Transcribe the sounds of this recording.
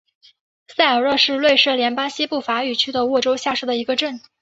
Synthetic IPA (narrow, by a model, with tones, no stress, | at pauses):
sa˥˩ɪə˨˩ɻɤ˥˧ʂɻ̩˥˧lwe˥˧ɪʂɻ̩ɤ˥˩ljɛ˧˥npa˥ŋɕi˥pu˥˩fa˧˥y˨˩t͡ɕʰy˥d̪ə˨wɔ˥˩ʈ͡ʂo˥ʊɕja˥˧ʂɻ̩˥˩d̪ə˩i˧˥ɡə˧ʈ͡ʂə˥˩n